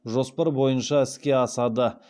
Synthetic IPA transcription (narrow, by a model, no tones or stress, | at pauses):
ʒo̞spɑɾbo̞jənʃɑɪskʲe̞ɑsɑd̪ə